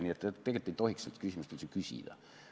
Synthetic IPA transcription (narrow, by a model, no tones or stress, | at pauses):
niːet̪ːet̪eɡet̪ːit̪ohiksselt̪kysimyst̪kylʲsekysḭd̥̪æ̰